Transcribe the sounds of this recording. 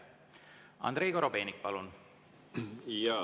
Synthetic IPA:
ɑ̰nd̪ɾe̞jɡoɾobe̞ːnik̚pɑlun | jɑ

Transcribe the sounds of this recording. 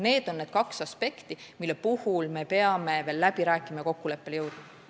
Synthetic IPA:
ne̞ːd̪̥o̞nːed̪̥kɑksɑspe̞kt̪imilːepuhulme̞pe̞ɑme̞ve̞ːlːæb̥iɾæːkːˑimɑko̞kːule̞pːe̞ljɤwd̪̥e

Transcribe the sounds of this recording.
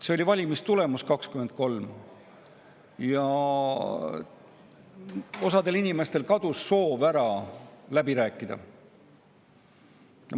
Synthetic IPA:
se̞o̞lʲivɑlʲimist̪ule̞muskɑkskyme̞nd̪̥̚ko̞lm | jɑ | o̞sɑd̪e̞linime̞st̪e̞lkɑd̪̥usːo̞ːvæɾɑlæbiɾæːkːˑid̪̥ɑ̰ | jɑ

